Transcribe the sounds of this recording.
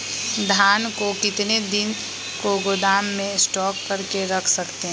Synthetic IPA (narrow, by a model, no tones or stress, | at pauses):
d̪ʱaːnkokɪt̪ned̪ɪn | koɡod̪aːmːẽsʈɔːkːɐɾkeɾɐkʰsɐkt̪eɦɛ̃